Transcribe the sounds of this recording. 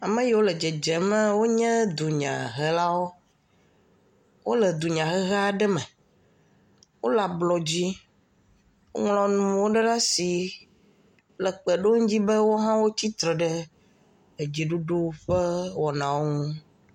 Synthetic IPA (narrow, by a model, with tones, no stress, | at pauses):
a˨mɛ̃˦jɛ˦wo˦lɛ˨d͡ʒɛ˨d͡ʒɛ˨mɛ̃˦wo˦ɲɛ̃˦d̪u˨ɲã̰˨ɦɛ˦la˦wo˦ | wo˦lə˨d̪u˨ɲã˨ɣɛ˦ɣa˦˨ɖɛ˦mɛ̃˨ | wo̰˦la˨blɔ˨d͡ʑi˦ | wo̰˦ŋlɔ̃˨˦nũ˨wo˦ɖɛ˦ɖa˦si˨ | lə˨k͡pɛ˨ɖo˦ŋũ˦d͡ʑi˦bə˦wo˦ɦã˦wo˦t͡ɕi˦t̪ɾɔ˨ɖɛ˦ | e˨d͡ʒi˨ɖu˦ɖu˦ɸɛ˦wɔ˨nã˨wo˦ŋũ˦